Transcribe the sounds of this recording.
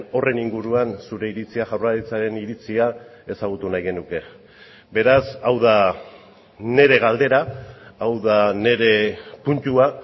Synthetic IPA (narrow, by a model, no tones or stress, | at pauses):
o̞re̞niŋɡuɾuansuɾe̞iɾit͡siaʝawraɾit͡saɾe̞niɾit͡siae̞saɣ̞ut̪unajɣe̞nuke̞ | be̞ɾasawða | ne̞ɾe̞ɣ̞ald̪e̞ɾaawðane̞ɾe̞punt̪ua